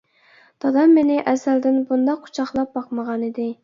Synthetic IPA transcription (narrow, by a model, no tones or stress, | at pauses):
t̪ʰɑd̪ɑmːenɪʔɛzæld̪ɪnbund̪ɑqʰːu̥t͡ʃʰɑχlˠɑp̚bɑqməʁɑnid̪ɪ